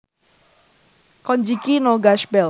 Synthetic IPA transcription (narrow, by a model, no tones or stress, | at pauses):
kɔɲd͡ʒikinoɡaʃbɛ